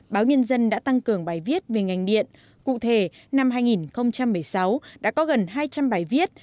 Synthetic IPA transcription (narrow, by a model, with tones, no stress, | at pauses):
ɓaː˨˦wɲə˧nzə˧nɗa̰ː˧˥t̪a˧ŋkɨ˨˩əŋɓaː˨˩jvi˦˥ət̚ve˨˩ŋa˨˩jŋ̟ɗḭ˧˨ən | kṵ˧˨t̪ʰe˧˩ | na˧mhaː˧jŋi˨˩nxə˧wŋ͡mt͡ɕa˧mːɨ˨˩əjsa˨˦wɗa̰ː˧˥kɔ˨˦ɣə˨˩nɦaː˧jt͡ɕa˧mɓaː˨˩jvi˦˥ət̚